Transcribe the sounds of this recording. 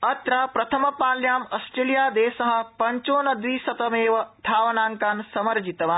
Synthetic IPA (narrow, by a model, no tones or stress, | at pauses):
ɐt̪ɾɐpɾɐt̪ʰɐmɐpaːljaːmɐsʈɾeːlijaːd̪eːsɐɦɐ̆pɐɲt͡ʃoːnɐd̪ʋiːsɐt̪ɐmeːʋɐd̪ʱaːʋɐnaːŋkaːnsɐmɐɾd͡ʒit̪ɐʋaː